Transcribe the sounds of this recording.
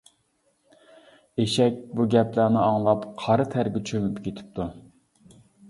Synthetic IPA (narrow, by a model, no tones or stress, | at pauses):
eʃɛk̚ʲbuɡʲɛplænɪɑŋlˠɑpqʰɑɾɨt̪ʰæɾɡʲɪt͡ʃʰømɪpkʲʰet̪ʰɪ̥p̚t̪ʰu